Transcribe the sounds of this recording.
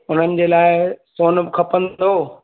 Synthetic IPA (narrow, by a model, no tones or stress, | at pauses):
ʊn̤ənɪ̆d͡ʑeːlaːɪsoːnbɪkʰɐpə̃nd̪oː